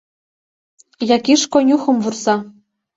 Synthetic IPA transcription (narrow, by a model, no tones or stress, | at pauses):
jɑkʲiʃkonʲuxɤ̆mvursɑ